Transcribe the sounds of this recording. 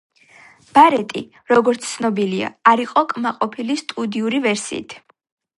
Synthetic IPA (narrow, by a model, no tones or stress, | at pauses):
b̥aɾɛt̪ʼḭ | ɾɔɡɔɾt̪sʰt̪sʰnɔbilia̰aɾiqʼɔkʼmaqʼɔpʰilist̪ʼud̪iuɾivɛɾsḭːt̪ʰ